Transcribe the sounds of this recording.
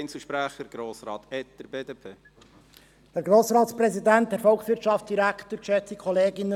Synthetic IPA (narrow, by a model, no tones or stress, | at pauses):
nsəʃpɾæχəɾɡ̥ɾoːsɾɑːt̪ɛtːəɾbeːd̪eːpʰeː | dæɾɡɾoːsɾɑːt̪spɾɛsid̪ænt̚dɛɾfɔlkχsʋɪɾrtʃɑftt͡sd̪̥iɾækt̪əɾkʃɛt͡sikʰɔleːɡɪnə